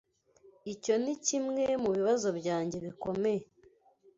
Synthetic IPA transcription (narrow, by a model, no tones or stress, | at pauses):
ico̞nicimŋemuβiβazo̞bɟaːɲɟe̞βiko̞me̞je